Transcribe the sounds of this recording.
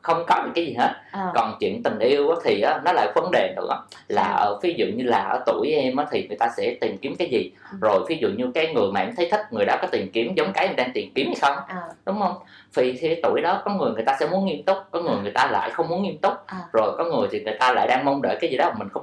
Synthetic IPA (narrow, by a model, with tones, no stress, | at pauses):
xə˧wŋ͡mkɔ˨˦ɲɨ̰˧˨kaː˨˦jzi˨˩ɦe˦˥t̚kɔ˨˩nt͡ɕwḭ˧˨ənt̪ï˨˩ŋ̟ʔi˧əwʔaː˨˦t̪ʰi˨˩ʔaː˨˦nɔ˨˦la̰ː˨˩kvə˨˦nɗe˨˩nɨ̰˧˩˥laː˨˩ʔəː˧˩vi˨˦zṵ˧˨ɲɨ˧laː˨˩ʔəː˧˩t̪u˧˩əjʔɛ˧mʔəː˨˦t̪ʰi˨˩ŋɨ˨˩əjt̪aː˧sɛ̰˧˥t̪i˨˩mki˨˦əmkaː˨˦jzi˨˩zo˨˩jvi˨˦zṵ˧˨ɲɨ˧kaː˨˦jŋɨ˨˩əjmaː˨˩ʔɛ˧mt̪ʰə˨˦jt̪ʰï˦˥k̟̚ŋɨ˨˩jɗɔ˨˦kɔ˨˦t̪i˨˩mki˨˦əmzə˨˦wŋ͡mkaː˨˦jʔɛ˧˩ɗaː˧ŋt̪i˨˩mki˨˦mha˧jxə˧wŋ͡mɗʊ˨˦ŋ͡mhə˧wŋ͡m | vʰi˨˩t̪ʰi˨kːjt̪u˧˩əjɗɔ˨˦kɔ˨˦ŋɨ˨˩əjŋɨ˨˩əjt̪aː˧sɛ̰˧˥mu˨˦nŋi˧əmt̪ʊ˦˥k͡p̚kɔ˨˦ŋɨ˨˩əjŋɨ˨˩jt̪aː˧la̰ː˧˨jxə˧wŋ͡mmu˨˦nŋi˧əmt̪ʊ˦˥k͡p̚zo˨˩jkɔ˨˦ŋɨ˨˩əjt̪ʰi˨˩ŋɨ˨˩əjt̪aː˧la̰ː˧˨jɗaː˧ŋmə˧wŋ͡mɗə̰ː˧˨jkaː˨˦jzi˨˩ɗɔ˨˦a˨˩mï˨˩ŋ̟xə˧ŋ͡m